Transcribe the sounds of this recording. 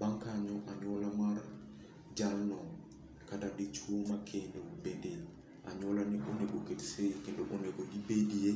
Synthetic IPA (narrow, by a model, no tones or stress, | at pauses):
baŋkaɲɔʔaɲolamaɾ | d͡ʒalnɔŋ | kadadit͡ʃumakʰeneubedel | a̰ɲolaniʔoneɡoketsekindoʔoneɡodibedie